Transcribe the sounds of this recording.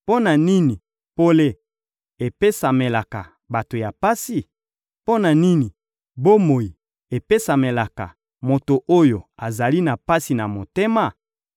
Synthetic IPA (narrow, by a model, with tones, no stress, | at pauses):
po˦na˨ni˦ni˨ | po˦le˦ | e˨pe˦sa˨me˨la˨ka˨ | ba˨to˨ja˨pa˦si˦ | po˦na˨ni˦ni˨ | bo˦mo˨ji˨ | e˨pe˦sa˨me˨la˨ka̰˨ | mo˨to˨ʔo˦jo˨a˨za˨li˦na˨pa˦si˨na˨mo˨te˦ma˦˨